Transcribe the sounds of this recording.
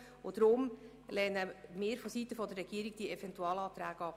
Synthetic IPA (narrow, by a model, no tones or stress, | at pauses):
ʊd̥̪ɾʊm | lɛnəmɪːɾfɔsitəfɔd̪ərːɛɡ̥iəɾiɡ̥̚d̥iɛvɛntuɑːlɑːt̪ɾæːɡɑː